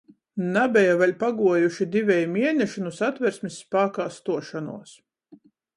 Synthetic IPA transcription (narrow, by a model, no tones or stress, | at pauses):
nabʲɛjavalʲpaɡuɔjuʃid̪ʲivʲɛjmʲiɛnʲɛʃinusat̪vɛɾsmisːpaːkaːst̪uɔʃanṵɔs